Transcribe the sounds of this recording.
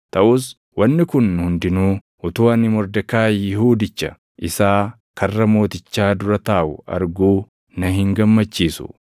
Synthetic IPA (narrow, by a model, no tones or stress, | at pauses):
t̪ɐʔʊs | wɐnːɪkʊnhʊnd̪ɪnuː | ʔʊt̪uːɐnɪmɔɾd̪ɐkaːjɪhuːd̪ɪt͡ʃːɐ̰ | ʔɪsaː | kʰɐrːɐmo̞ːt̪ɪt͡ʃːaːd̪ʊɾɐt̪aːʔʊɐ̰ɾɡuː | nɐhɪŋɡɐmːɐt͡ʃːiːsʊ̰